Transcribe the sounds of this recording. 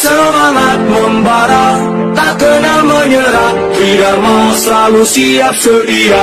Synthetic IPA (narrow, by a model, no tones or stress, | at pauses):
səmaŋat̪̚məmbaɾa | t̪aɡ̥ənaməɲəɾaʔt̪ɾidamaslalusiap̚sədia